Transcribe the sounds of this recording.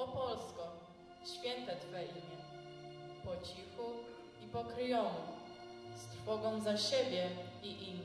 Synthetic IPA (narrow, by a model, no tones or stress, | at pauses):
ɔpɔlskɔ | ɕfʲjɛnt̪at̪fɛʔimʲjɛ | pɔt͡ɕixu | ipɔkɾɘjɔmu | st̪ɾfɔɡɔ̃w̃zaɕɛbʲjɛiʔimʲ